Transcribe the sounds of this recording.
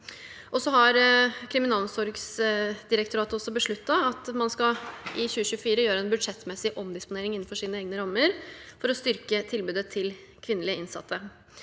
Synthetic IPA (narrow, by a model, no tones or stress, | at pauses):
ʔɔsɔɦɑɾkʰɾɪmɪnɑːlsɔɾɡsd̪ɪɾəkt̪ʰʊɾɑːt̪əɔsːɔbəʂɭʉt̪ːɑɑt̪mɑnskɑʔɪçʉːəɕʉːəfiːɾəjøːɾəɛnbʉd̪ʂɛt̪ːmɛsɪʔɔmd̪ɪspʊneːɾɪŋɪn̩ːfɔʂiːnəeːɡnəɾɑmːəɾfɔɾɔst̪ʏɾkət̪ʰɪlbʉːd̪ət̪ʰɪl | kʰʋɪnːəlɪəɪnsɑ̰t̪ʰːə